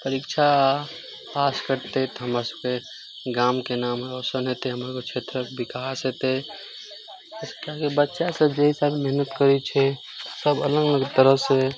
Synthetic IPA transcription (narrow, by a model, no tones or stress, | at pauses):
pəɾikt͡ʃʰa | paskəɾt̪et̪ɔɦəməsəbke | ɡaːmkenaːmɦeɔsənɦet̪eɦəmɾekot͡ʃʰet̪ɾəkbʱikasɦet̪e | skakebətːʃasəbd͡ʒeisalmeɦnət̪kəɾit͡ʃʰɛ | səbələɡələɡt̪əɾəɦse